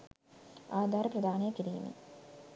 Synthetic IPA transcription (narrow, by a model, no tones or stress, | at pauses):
aːd̪ʱaːɾəpɾəd̪ʱaːnejəkiɾḭːmḭ